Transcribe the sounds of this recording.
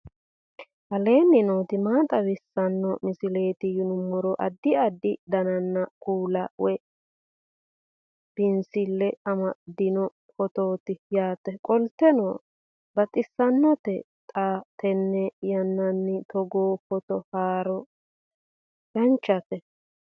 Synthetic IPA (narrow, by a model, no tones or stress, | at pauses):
hɐle̞ːnːɪnoːt̪ɪmaːt̪ʼɐwɪsːɐnːɔmɪsɪle̞ːt̪ɪjʊnʊmːɔɾɔʔɐ̰d̪ːɪɐd̪ːɪd̪ɐnɐnːɐkuːlɐwɛ | b̥ɪnsɪlːɛɐmɐd̪ɪnɔ | pɔt̪oːt̪ɪjaːt̪ɛkʼɔlt̪ːɛno̰ː | bɐt̪ʼɪsːɐnːɔt̪ɛ | t̪ʼaːt̪ʰɛnːɛjɐnːɐnːɪt̪ɔɡoːpɔt̪ɔhaːɾɔ | jɐnt͡ʃːɐt̪ɛ